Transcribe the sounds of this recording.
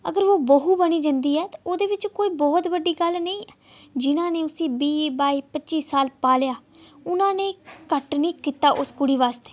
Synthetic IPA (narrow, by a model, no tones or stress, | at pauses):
ə̰ɡəɾʋoːbəɦuːbəniːd͡ʒãnd̪iːɛːt̪aoːd̪eːʋɪt͡ʃkoːiːbɔːt̪ʋəɖːiːɡəlnəĩːd͡ʒɪnãːneːʊsĩːbiːbaːiːpətːt͡ʃiːsaːlpaːljaːʊnãːneːkəʈnĩːkiːt̪aːʔʊskʊɽiːʋaːst̪e̥ː